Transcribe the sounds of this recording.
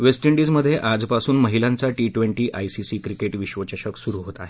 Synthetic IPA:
ʋesʈiɳɖiːd͡zməd̪ʱːjeʔad͡zpasuːnməɦilãnt͡saʈiʈʋeɳʈiːʔajsisiːkɾikeʈʋiɕʋət͡ɕəɕəksuɾuɦot̪aːɦe

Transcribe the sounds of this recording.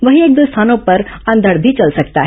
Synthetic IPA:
ʋəɦĩeːk̚d̪ust̪ʰaːnopɐɾɐ̃nd̪ʱəɽbʱit͡ʃɐlsɐkt̪aɦ

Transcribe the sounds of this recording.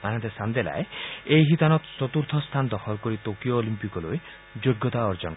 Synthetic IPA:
anãnt̪esand̪ela̰eejɦit̪anɔk̪sɔt̪uɾt̪ʰɔst̪ʰanɔd̪ɔxɔlkɔɾit̪okijoːlimpikɔloj | d͡ʒoɡːɔt̪aɔɾd͡ʒɔn

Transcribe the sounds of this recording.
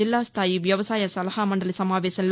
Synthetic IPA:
ɪlːaːst̪ʰaːjiʋjɐʋɐsaːjɐsɐlɐhaːmɐndrɐlɪsɐmaːʋeːsɐnl

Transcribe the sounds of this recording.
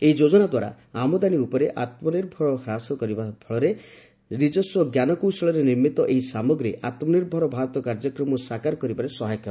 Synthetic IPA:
eɦid͡ʒod͡ʒɔnad̪waɾa̰ | amɔd̪aniupɔɾeʔat̪mɔniɾbʱɔɾɔɦɾasɔkɔɾibabʱʰɔɭɔɾe | ɾid͡ʒɔsɔɡjanɔkuwsɔɭɔɾeniɾmit̪ɔʔeɦisamɔɡɾiʔat̪mɔniɾbʱɔɾɔbʱaɾɔt̪ɔkaɾd͡ʒɔkɾɔmɔsakaɾɔkɔɾibaɾesɔɦajɔkːa

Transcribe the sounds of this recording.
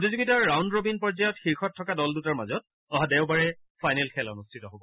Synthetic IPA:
potizuɡitaɹːawndɹobinpɔzajɔtxiɹxɔtʰːɔkadɔldutaɹmazɔt̚ | ɔɦadɛʊbaɹɛ | fʰajnɛlkʰɛlɔ̰nustʰitɔɦobɔ

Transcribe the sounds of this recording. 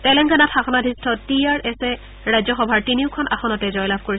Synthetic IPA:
tɛlɛŋɡanatxaxɔnadʱistʰɔtiaɹʔɛsɛ | ɹajzɔxɔbʱaɹtiniʊkʰɔnʔa̰xɔnɔtɛzɔjlabʱkoɹisɛ

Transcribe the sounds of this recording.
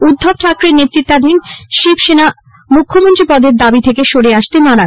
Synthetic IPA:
ud̪ʱːob̚t͡ɕʰakɾeɾnet̪ːɾit̪ːad̪ʱinʃibʃena | mukʰːomont̪ɾipɔd̪eɾd̪abit̪ʰekeʃoɽeaʃt̪enaɾa

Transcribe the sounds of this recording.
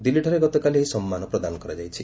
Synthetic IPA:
d̪ilːiʈʰɔɾeɡɔt̪ɔkalieɦisɔmːanɔpɾɔd̪anɔkɔɾad͡ʒajt͡ʃʰi

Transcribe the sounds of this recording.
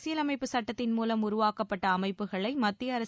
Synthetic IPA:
sɪjɐlɐmɐɪpːɯsɐʈːɐt̪ːɪnmuːlɐmʊɾʊʋaːkɐpːɐʈːɐːmɐɪpːɯɣɐɭɐɪmɐt̪ːɪjɐːɾɐ

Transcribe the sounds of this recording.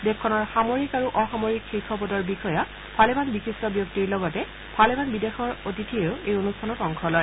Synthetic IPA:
dekʰːɔnɔɹxamoɹikaɹuʔɔxamoɹikxikʰɔpɔtɔɹbixɔja | b̥ʰʱalebanbixistɔbjok̚tiɹlɔɡɔtɛ̥ | alebanbidexɔɹotitʰieʊejonustʰanɔtɔŋkʰɔlɔj

